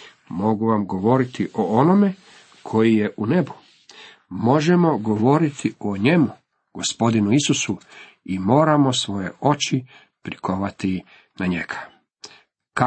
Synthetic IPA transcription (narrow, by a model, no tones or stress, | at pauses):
mo̞ɡuʋamɡo̞ʋo̞ɾit̪iʔoono̞me̞ | kʰo̞jije̞ʔune̞bu̥ | mo̞ʒemo̞ɡo̞ʋo̞ɾit̪ʰioɲe̞mu | ɡ̥o̞spo̞d̪inuisusu | imo̞ːɾamo̞sʋo̞je̞o̞t͡ʃi | pɾikʰoʋat̪i | naɲeɡ̥ḁ | k